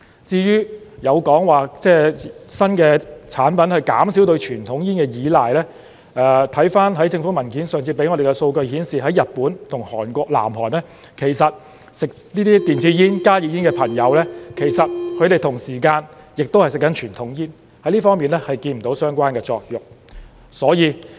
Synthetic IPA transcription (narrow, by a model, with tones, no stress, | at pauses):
t͡siː˧jyː˥jɐ˨˧wkɔː˨˥ŋwaː˨˩t͡sɛː˥˩sɐ˥nkɛː˧t͡sʰaː˨˥npɐ˨˥nhɐ˨jkaː˨˥msiː˨˥wt̪ɵ˧ɥt͡ʃʰyː˨˩nt̪ʰʊ˨˥ŋjiː˥nkɛː˧jiː˨˧laː˨˩jlɛː˥ | ʔɛː˨˧t̪ʰɐ˨˥jfaː˥nɦɐ˨˥jt͡sɪ˧ŋfu˨˥mɐ˨˩nkiː˨˥nsœː˨ŋt͡sʰiː˧pe˨˥jŋɔ˨˧ɾe˨˩kɛ˧so˧wkɵ˧ɥhiː˨˥nsiː˨ɦɐ˨˥jɐ˨t̚puː˨˥nt̪ʰʊ˨˩ŋhɔː˨˩nkʷɔː˧k̚la̰ː˨˩mɦɔː˨˩nɛː˥ | kʰe˨˩jsɐ˨t̚ | sɪ˨k̚niː˥t̪iː˥t̪iː˨nt͡siː˧jiː˥nkaː˥ji˨˧jiː˥nkɛː˧pʰɐ˨˩ŋjɐ˨˧˥wlɛː˥kʰe˨˩jsɐ˨t̚kʰɵ˨˧ɥt̪e˨jt̪ʰʊ˨˩ŋsiː˨˩kaː˧njɪ˨k̚t̪o˥whɐ˨jsɪ˨˩kːɐ˨˥nt͡ʃʰyː˨˩nt̪ʰʊ˨˥ŋjiː˥n | hɐ˨˥jliː˥fɔː˥ŋmiː˨nlɛ˥hɐ˨jkiː˧nm̩˨˩t̪o˨˧˥wsœː˥ŋkʷaː˥nkɛː˧t͡sɔː˧k̚jʊ˨˩k̚ | sɔː˨˥jiː˨˧